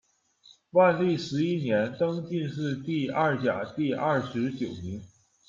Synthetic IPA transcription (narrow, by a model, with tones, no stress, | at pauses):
wa˥˧nli˥˩ʂɻ̩˧˥i˥njɛ˧˥nt̪ɤ˥ŋt͡ɕi˥˧nʂɻ̩˥˧t̪i˥˧ɐ˥˩t͡ɕja̰˨˩˦t̪i˥˧ɐ˥˩ʂɻ̩˧˥t͡ɕjo˨˩ʊni˧˥ŋ